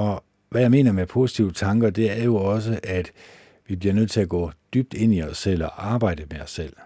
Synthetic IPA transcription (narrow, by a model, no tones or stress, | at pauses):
ɒ̽ | ʋæjɑ̈ɪme̝ːnɐmepʰo̝si̥t͡sʰiʊət͡sʰɑ̈ŋɡ̥ɐd̥e̝æɐjo̝ɒ̽s̬əʔæd̥ | ʋib̥liɐnøð̰ˠt͡sʰe̝læɡ̥ɔ̰ːd̥yb̥̚d̥e̝n̰iɒsːel̰ɒʔɑ̈ːb̥ɑ̈ɪ̰d̥əmeɒ̽sːel̰